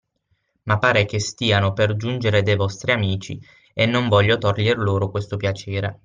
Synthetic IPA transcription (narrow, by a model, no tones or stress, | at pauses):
mapːaːɾekest̪iːanoperd͡ʒund͡ʒeɾed̪ejvɔst̪ɾiamiːt͡ʃḭ | enːoɱvɔʎːot̪orʎerloːɾokwest̪opjat͡ʃeːɾe